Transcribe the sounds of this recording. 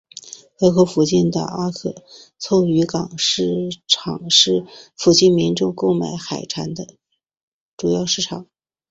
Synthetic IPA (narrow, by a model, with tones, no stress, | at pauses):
xɤ˧˥kʰɤ˧˥fu˨˩t͡ɕi˥˩nd̪ə̰˩a˥kʰɤ̰˧˩t͡sʰo˥˩ʊy˧˥kɑ˨˩ŋʂɻ̩˥˩ʈ͡ʂʰɑ˨˩ŋʂɻ̩˥˩fu˨˩t͡ɕi˥˩nmi˧˥nʈ͡ʂʊ˥˧ŋko˥˧ʊma˧˥ɪxa˨˩ɪʈ͡ʂʰa˧˥nd̪ə˧ | ʈ͡ʂu˨˩jɑ˥˧ʊʂɻ̩˥˩ʈ͡ʂʰɑ˨˩˦ŋ